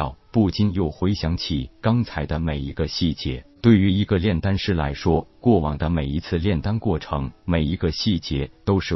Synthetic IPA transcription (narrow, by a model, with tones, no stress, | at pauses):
ʊpu˥˩t͡ɕi˥njo˥˩ʊxwe˧˥ɪɕjɑ˧˥ŋt͡ɕʰi˨˩kɑ˥ŋt͡sʰa˧˥ɪd̪ə˧me˨˩ɪi˧˥ɡə˧ɕi˥˩t͡ɕjɛ˥t̪we˥˩ɪy˧˥i˧˥ɡə˧ljɛ˥˩nt̪a˥nʂɻ̩˥˩la̰˧˥ɪʂwɔ˥kwɔ˥˩wɑ˨˩ŋd̪ə˦me˨˩ɪi˧˥t͡sʰɹ̩˥˧ljɛ˥˩nt̪a˥nkwɔ˥˩ʈ͡ʂʰɤ˧˥ŋme˨˩ɪi˧˥ɡə˧ɕi˥˩t͡ɕjɛ˧˥t̪o˥ʊʂɻ̩˥˩